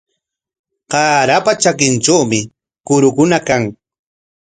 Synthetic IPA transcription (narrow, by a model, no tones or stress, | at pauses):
qɑːɾapat͡ʃakɪnʈ͡ʂawmɪ | kʊɾʊkʊnakaŋ